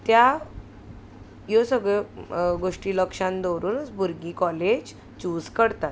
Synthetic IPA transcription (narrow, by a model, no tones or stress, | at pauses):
t̪ja | josəɡɭeɡoʂʈiːləkʂãnd̪owɾuːnət͡sbʱuɾɡiːkɔled͡ʑ | t͡ɕuːd͡zkəɽt̪at̪̚